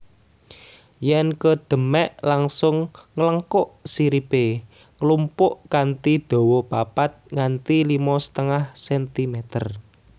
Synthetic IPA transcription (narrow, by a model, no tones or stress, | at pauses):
jɛnkəd̪̥ə̤mɛʔlaŋsʊŋːələŋkʊʔsiɾib̥e | ŋəlumpʊʔkant̪id̪̥o̤wɔpapat̪̚ŋant̪ilimɔsə̥t̪əŋahsɛnt̪imet̪ər